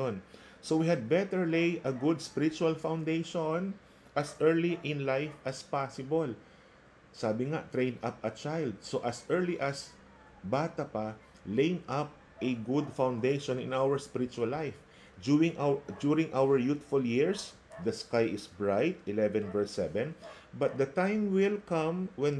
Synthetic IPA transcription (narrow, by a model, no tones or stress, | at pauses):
on | sowihɐd̪̚bɛt̪ɛɹlejʔɐɡʊd̪spɪɾɪt͡ʃʊalfãwnd̪ejʃon | ʔɐsʔɛɹliʔɪ̃nlajfɐspasɪbol | saːbɪŋaʔt̪ɾẽj̃nap̚ɐt͡ʃajld̪̚soʔɐsʔɛɹliʔɐs | baːt̪ɐpa | lẽjnap̚ | ʔɛɡʊd̪fãwnd̪ejʃɔ̃nɪ̰̃nawɛɹspɪɾɪt͡ʃualːajf | d̪uɾɪ̃ŋʔad̪uɾɪ̃ŋʔawɛɹjut̪fʊljiɹs | d̪ɐskajʔɪsbɹajt̪ɪlɛvɛ̃nvɛɹsɛvɛ̃n | bɐt̪̚d̪ɐt̪ãjmwɪlkɐ̃mwɛ̃n